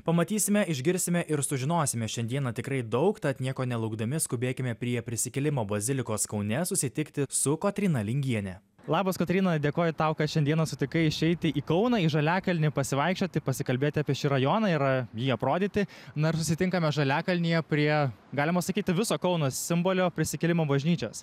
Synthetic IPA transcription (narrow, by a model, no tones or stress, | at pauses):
pɐmɐt̪ʲiːsʲɪmʲɛʔɪʒʲɡʲɪɾʲsʲɪmʲɛʔɪɾsʊʒʲɪnoːsʲɪmʲɛʃʲɛnʲd̪ʲiɛnɐt̪ʲɪkɾɐɪd̪ɒʊkt̪ɐt̪nʲiɛkoːnʲɛlˠɐʊɡd̪ɐmʲɪskʊbʲeːkʲɪmʲɛpʲɾʲiɛpʲɾʲɪsʲɪkʲɛlʲɪmoːbɐzʲɪlʲɪkoːskɐʊnʲɛsʊsʲɪt̪ʲɪkt̪ʲɪsʊkot̪ʲɾʲiːnɐlʲɪŋʲɡʲiɛnʲɛ | lˠɑːbɐskɐt̪ʲɾʲiːnɐd̪ʲeːkoːjʊt̪ɑʊkɐt̪ʃʲɛnd̪ʲiɛnɐsʊt̪ʲɪkɐɪɪʃʲɛɪt̪ʲɪʔiːkɒʊnɑːiːʒɐlʲæːkɐlʲnʲɪpɐsʲɪʋɐɪkʃʲt͡ʃʲoːt̪ʲɪpɐsʲɪkɐlʲbʲeːt̪ʲɪɑːpʲiɛʃʲiːɾɐjoːnɑɪɾjiːɐpɾoːd̪ʲiːt̪ʲɪnʊɪɾsʊsʲɪt̪ʲɪŋkɐmʲɛʒɐlʲæːkɐlʲnʲijɛpʲɾʲiɛɡɑːlʲɪmɐsɐkʲiːt̪ʲɪʋʲɪsoːkɐʊnoːsʲɪmboːlʲoːpʲɾʲɪsʲɪkʲɛlʲɪmoːbɐʒʲnʲiːt͡ʃʲoːs